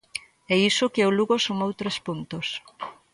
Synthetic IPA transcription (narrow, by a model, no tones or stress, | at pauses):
ɛisʊkeoluɣosomowt̪ɾespunt̪os